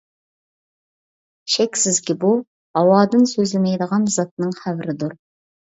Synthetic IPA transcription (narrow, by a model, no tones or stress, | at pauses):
ʃɛkʲsɪzkʲɪbu | hɑwɑːd̪ɨnsøzlɪmɛjd̪əʁɑnzɑt̪̚nɨŋχævɪɾɪd̪uɾ